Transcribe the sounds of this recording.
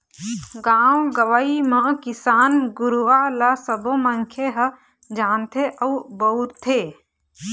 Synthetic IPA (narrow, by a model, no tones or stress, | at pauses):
ɡaːwɡəʋaimə̃kɪsaːnɡʊɾuʋalasəbõməŋkʰeɦə | d͡ʒaːnt̪ʰeʔəubəutt̪ʰːeː